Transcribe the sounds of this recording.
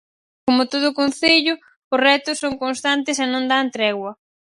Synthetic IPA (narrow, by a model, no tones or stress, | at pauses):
komʊt̪oð̞ʊːkon̟θeʎʊ | ʊrɛt̪ʊsːoŋkonst̪ant̪ɪsenõnd̪ant̪ɾɛɣwɐ